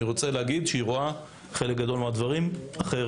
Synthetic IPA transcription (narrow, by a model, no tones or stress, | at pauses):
iʁo̞t͡seleaɡid̪ʃeiʁoa | χe̞lek̚ɡad̪o̞lmad̪vaʁimaχe